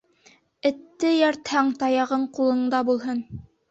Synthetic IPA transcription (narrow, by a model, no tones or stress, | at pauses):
ɘ̆t̪ːɘjæɾt̪hæŋt̪ɑjɑʁɤɴqulˠɤ̆ɴd̪ɑbulˠɦɤn